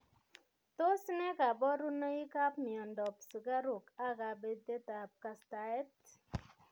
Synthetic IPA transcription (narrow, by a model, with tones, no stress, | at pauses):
to˦snɛ˦ka˨bɔ˦ɾu˦no˦i˦ka˦pmi˨ɔ˨ndɔ˨psu˨ka˦ɾu˨ka˦ka˨be˦de˦ta˨p̚ka˨sta˨ɛ˦t